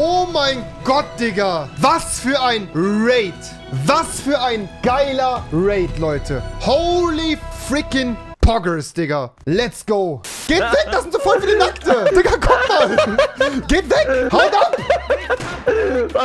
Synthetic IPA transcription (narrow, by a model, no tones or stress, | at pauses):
ʔoːmaɪnɡɔt̚d̥ɪɡɐvasfyːɐʔaɪnʁeɪt | vasfyːɐʔaɪnɡ̥aɪlɐʁeɪtlɔʏtʰəhoʊlifɹɪkɪnpʰɔɡə˞sd̥ɪɡɐ | lɛtsɡ̥oʊɡ̥ɛːtvɛk̚d̥asɪntz̥ofɔɐtfyɐdinaktəd̥ɪkɐkʰɔfɐ | ɡ̥ɛtvɛkhaɪdap